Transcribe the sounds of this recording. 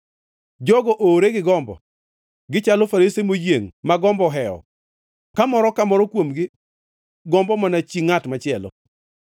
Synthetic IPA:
d͡ʒɔɡɔʔoːɾeɡɪɡɔmbɔ̰ | ɡɪt͡ʃalɔfaɾisemojeŋmaɡɔmbɔɦɛɔ̰ | kamɔɾɔkamɔɾɔkwomɡɪ | ɡɔmbɔmanat͡ʃiŋatmat͡ʃɪɛlɔ̰

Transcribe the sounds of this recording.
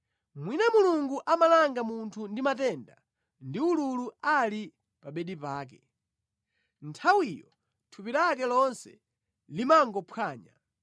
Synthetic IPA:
mwinamuluŋɡuʔamalaŋɡamuntʰundimatɛnda̰ | ndiululuali | paɓɛɗipaːk̬ɛ | ntʰawijɔ | tʰupiɾak̬ɛlɔnsɛ̰ | limaŋɡɔpʰwaːɲa̰

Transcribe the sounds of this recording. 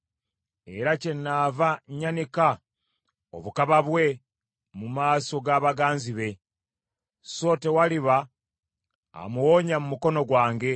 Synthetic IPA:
e̞ɾace̞nːaːvaɲanika | o̞̰βukaβaβwe̞ | mumaːso̞ɡaːβaɡaːnziβe̞ | so̞te̞waliβa | muwo̞ɲamumuko̞no̞ɡwaːŋɡe̞

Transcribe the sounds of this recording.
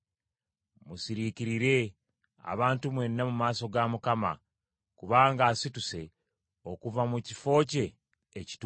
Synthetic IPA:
musiɾiciɾiɾe̞ | a̰βaːntumwe̞nːamumaːso̞ɡamukama̰ | kuβaːŋɡaːsituse̞ | o̞kuvamucifo̞ːce̞ː | ci̥t

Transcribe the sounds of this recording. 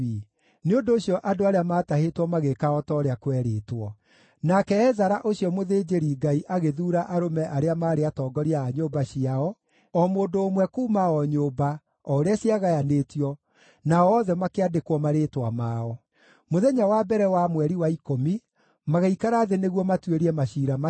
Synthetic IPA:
neondoːɕijɔʔadoaɾeamaːtahetwɔmaɣekaɔtɔɾeakwɛɾeːtwɔ | nakɛɛzaɾaʔoɕijɔmoðeːd͡ʑeɾiːɡaiʔaɣeðuːɾaʔaɾomɛʔaɾeamaːɾeatɔːɡɔɾiaːɲoːbaɕiaɔ | ɔmoːndoːmwɛkuːmaɔɲoːba | ɔɾeasiaɣajaneːtjɔ | naɔːðɛmakeadekwɔmaɾeːtwamaːɔ | moðɛɲawabɛɾɛwamwɛɾiwaikomi | maɣeikaɾaːðeneɣwɔmatweɾiɛmaɕiɾama

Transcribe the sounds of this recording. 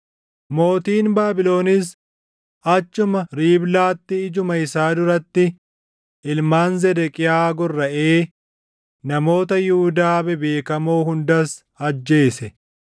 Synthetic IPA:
mo̞ːt̪iːnbaːbɪlo̞ːnɪs | ʔɐt͡ʃːʊmɐɾiːblaːt̪ːɪːd͡ʒʊmɐɪsaːd̪ʊɾɐt̪ːɪ | ʔɪlmaːnzɛd̪ɛkʼɪjaːɡɔrːɐʔeː | nɐmo̞ːt̪ɐjʊhʊd̪aːbɛbe̞ːkɐmoːhʊnd̪ɐs | ɐd͡ʒːe̞ːsɛ

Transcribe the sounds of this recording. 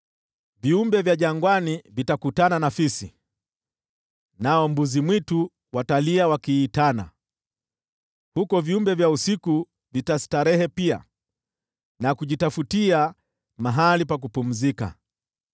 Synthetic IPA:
viumbɛvjaʄaŋɡwanivitakutananafisi | naɔmbuzimwitu | wataliawakiːtana̰ | hukɔviumbɛvjausiku | vitasi̥taɾɛhɛpia̰ | nakuʄitafutia | maɦalipak̬upum̩zika̰

